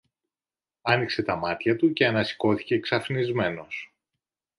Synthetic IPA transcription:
ɐnikse̞t̪ɐmɐt̪çɐt̪uce̞ɐnɐsi̥ko̞θi̥ce̞ksɐfnizme̞no̞s

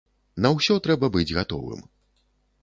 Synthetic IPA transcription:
nɐwsʲɔt̪ɾɛbɐbɨd͡zʲɣat̪ɔ̰vɨ̰m

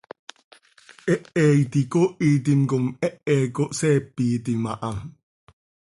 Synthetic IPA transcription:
ʔɛʔɛit̪ikoʔit̪̬inkomɛʔɛːkoʔsɛːpːit̪imaʔaŋ

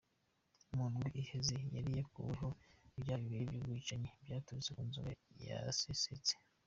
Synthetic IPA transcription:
muːnɡuʔihezejaɾije̞kuβeɦoibjaːβiβiɾibjuːbɡiːt͡ʃaɲe̞bjaːtuβit͡sekunzuaja̰seset͡se̥

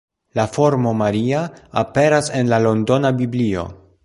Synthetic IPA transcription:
lafo̞ɾmo̞maɾiaape̞ɾase̞nlalo̞ndo̞nabiblio̞̰

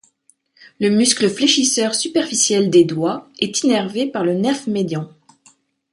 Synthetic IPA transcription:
ləmyskləfleʃisœʁsypɛʁfisjɛld̪ed̪waɛt̪inɛʁvepaʁlənɛfmed̪jɑ̃

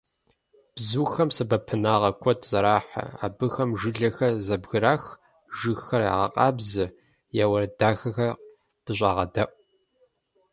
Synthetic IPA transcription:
b̥zuːxɐmsɐbɐpʰɨnaːʁɐkʷʰɔtz̥ɐɾaːħa̰a̰ːbɨxɐmʒɨɮɐxɐzɐbɣɨɾaːx | ʒɨxxɐra̰ːʁɐqʼɑːbzɨ | jaːwɐɾɐdaːxɐxɐ | d̥ɨɕʷʼaːʁɐ̰dɐʔʷʼ

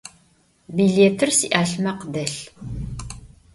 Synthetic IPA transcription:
biɮeːtʰɨrsiʔaːɬmɐqdɐɬ

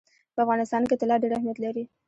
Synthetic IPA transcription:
pəafɣɑnɪst̪ɑnket̪ɪlɑɖeɽahmijat̪laɾi

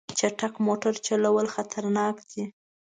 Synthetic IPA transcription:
t͡ʃaʈakmoʈaɾt͡ʃalawəlxat̪ʰaɾnɑkd̪i

